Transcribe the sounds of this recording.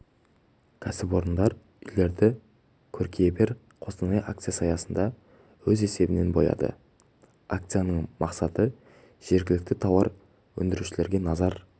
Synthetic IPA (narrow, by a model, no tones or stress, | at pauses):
kʲʰæsɪpwo̞ɾənd̪ɑɾ | ʏjle̞ɾd̪ɪ | kʲʰɵɾkʲʰejebe̞ɾ | qʰo̞sənɑjʔakt̪sijasɑjɑsənd̪ɑ | wɵze̞se̞bɪne̞nbojɑ̰d̪ə̰ | akt̪sijanəɴmɑqsɑt̪ə | ʒ̥e̞ɾɡʲɪlɪk̚t̪ɪt̪ʰɑwɑɾ | wɵ̰nd̪ɪɾuʃɪle̞ɾɡʲe̞nɑzɑɾ